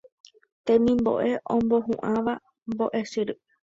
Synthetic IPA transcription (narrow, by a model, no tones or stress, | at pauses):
t̪ẽmĩmbo̞̰ʔe̞ʔõmbo̞ɦṵ̃ʔãʋa | mboʔe̞sɨɾɨ